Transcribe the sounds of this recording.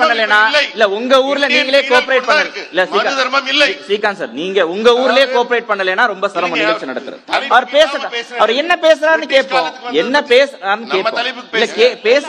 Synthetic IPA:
pɐɳːɐleːnːaːɪlːɐʊŋɡɐuːɾɪlɐniːŋɡɐɭeːkoːpɪɾeɪʈ̚pɐɳːɐlɪlːɐsiːka | siːkaːnsa̰ːɾniːŋɡɐʊŋɡɐuːɾɪljeːkoːpɪɾeɪʈ̚pɐɳːɐleːnːaːɾɔmbɐsɐɾɐmɐnːɪɣɐt͡ʃːɯnɐɽɐt̪ːɯɾɯ̰ɐʋɐɾpeːsɐʈːãːɐʋɐɾɛnːɐpeːs̬ɐɾaːɾnːɯkeːpːõːɛnːɐpeːsɾaːɾɯnːɯkeːʈːõɪlːɐkeːpeːs

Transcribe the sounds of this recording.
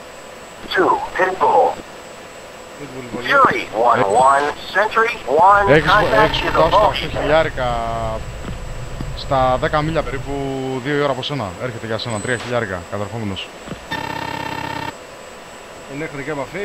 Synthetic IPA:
tʰupʰɪt̚bɔlˠ | pit̪bulʊɹiwʌ̃wʌ̃nsɛ̃nt͡ʃɹiwɐ̃neçiseçisðɐsfoçiʎɐɾikɐ | st̪ɐðe̞kɐmiʎɐpe̞ɾipuðio̞io̞ɾɐːpo̞se̞nɐe̞ɾçe̞t̪eʝɐse̞nɐt̪ɾiɐçiʎɐɾikɐ̰kɐt̪eɾxo̞meno̞s | inexikemɐfi

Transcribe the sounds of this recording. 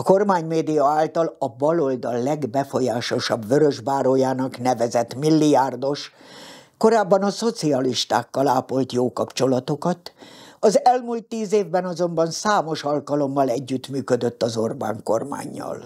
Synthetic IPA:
ɒko̞rmaːɲmeːd̪ijɒaːlt̪ɒlɒbɒlo̞ld̪ɒlːɛɡbɛfo̞jaːʃo̞ʃɒbvøɾøʒbaːɾoːjaːnɒknɛvɛzɛt̪milːijaːrd̪o̞ʃ | ko̞ɾaːbːɒnɒso̞t̪siɒliʃt̪a̰ːkːɒlaːpo̞lt̪joːkɒpt͡ʃo̞lɒt̪o̞kɒt̪ɒzɛlmuːlt̪ːiːzeːvbɛnɒzo̞mbɒnsaːmo̞ʃɒlkɒlo̞mːɒlɛɟːyt̪myːkød̪ø̞t̪ːɒzo̞rba̰ːŋko̞̰rma̰ːɲːɒ̰l

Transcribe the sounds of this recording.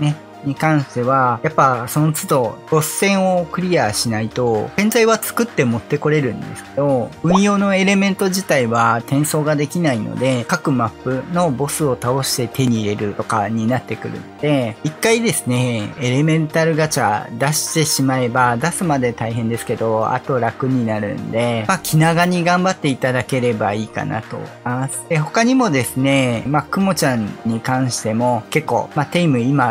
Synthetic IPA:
ne̞ | ɲ̟ikãɰ̃ɕt̪e̞β̞ajapːaso̞no̞t͡sɨd̪o̞ɾo̞sːẽ̞ɰ̃o̞kɯ̟ɾʲiaɕinait̪o̞ɡẽ̞nd͡zaiβat͡sɨ̥kɯ̟t̪ːe̞mo̞t̪ːe̞ko̞ɾe̞ɾɯ̟̃nd̪e̞̰sɨ̥ke̞d̪o̞ɯ̟̃ɰ̃jo̞ːno̞e̞ɾe̞mẽ̞nt̪o̞ʑit̪aiβat̪ẽ̞ɰ̃so̞ːɡad̪e̞kʲinaino̰d̪e̞kakɯ̟mapːɯ̟no̞bo̞sɨo̞t̪ao̞ɕi̥t̪e̞t̪e̞ɲ̟iːɾe̞ɾɯ̟t̪o̞kaɲ̟inat̪ːe̞kɯ̟̰ɾɯ̟̰noo̞d̪e̞ikːaid̪e̞sɨne̞eɾe̞mẽ̞nt̪aɾɯ̟ɡat͡ɕad̪aɕi̥t̪e̞ɕimae̞bad̪asɨmad̪e̞t̪aiɦẽ̞nd̪e̞sɨ̥ke̞d̪o̞a̰t̪o̞ɾakɯ̟ɲ̟inaɾɯ̟̰̃nd̪e̞makʲʰinaɡaɲ̟iɡãmbat̪ːe̞it̪ad̪ake̞ɾe̞baiːka̰na̰t̪o̞̰imasɨ̥eɦo̞kaɲ̟imo̞d̪e̞sɨne̞makɯ̟mo̞t͡ɕãɲɲːikãɰ̃ɕi̥t̪e̞mo̞ke̞kːo̞̰ːmat̪eimɯ̟ima

